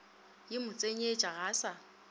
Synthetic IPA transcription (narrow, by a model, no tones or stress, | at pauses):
jɪmʊt͡sʼeɲet͡ʃʼaɣaːsa